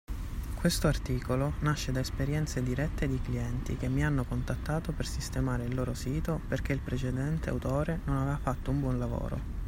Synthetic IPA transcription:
kwest̪oart̪iːkolonaʃːed̪aespeɾjɛnt̪sed̪iɾɛt̪ːed̪ikliɛnt̪ḭk̟emːianːokont̪at̪ːaːt̪opersist̪emaːɾeilːoːɾosiːt̪operk̟eilpɾet͡ʃed̪ɛnt̪ea̰wt̪oːɾenonavevafat̪ːoumbwɔnlavo̰ːɾo̰

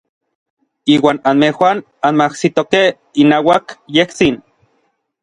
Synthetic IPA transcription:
iːwaːnanmehwan | anmahsit̪okeh | inaːwakjeht͡sin

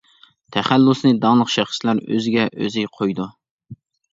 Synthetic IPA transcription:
t̪ʰɛχælːusnɨd̪ɑŋlˠəqʃæχslæɾø̰zɪɡʲɛʔø̰zɪjqʰojd̪u

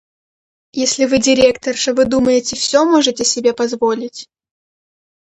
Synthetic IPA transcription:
jesʲlʲɪvɨdʲɪɾʲe̞kt̪ərʂəvɨd̪uməjɪtʲɪfsʲomoʐɨtʲɪsʲɪbʲe̞pɐzvolʲɪtʲ

